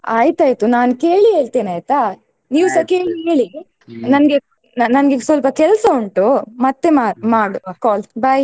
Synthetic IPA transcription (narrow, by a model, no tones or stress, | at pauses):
aːjt̪aːjt̪unaːnke̞ːɭiɦe̞ːɭt̪eːnaːjt̪a | niːʋusɐkeːɭiɦeːɭi | nɐnɡe | nɐnɐnɡesʋɐlpɐkɛlsɐuɳʈumɐt̪ːe̞mamaːɽukaːlbɐj